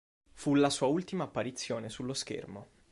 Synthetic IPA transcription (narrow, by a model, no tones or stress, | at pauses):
fulasuːault̪imaːpːaɾit̪sːjoːnesulːosk̟ḛrmo